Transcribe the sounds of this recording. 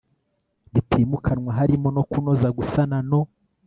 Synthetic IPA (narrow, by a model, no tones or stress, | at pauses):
βitʰiːmukʰanwaɦaɾimo̞no̞kunozaɡusanano̞